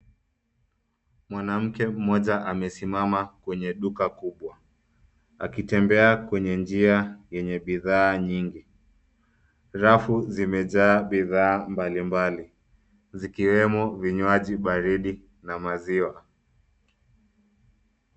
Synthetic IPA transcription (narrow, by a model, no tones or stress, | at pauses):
mwanam̩kɛm̩mɔʄaʔamɛsimamakwɛɲɛɗukakuɓwa | a̰kitɛmbɛakwɛɲɛnd͡ʒiajɛɲɛɓiðaːɲiŋɡi | ɾafuzimɛʄaːɓiðaːmbalimbali | zikiwɛmɔviɲwaʄiɓaɾiɗi | namaziwa